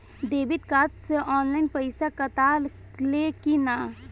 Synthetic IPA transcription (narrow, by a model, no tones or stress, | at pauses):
d̪eːbɪt̪̚kaːt̪seʔɔːnlaːinpəɪsakət̪al | lekinaː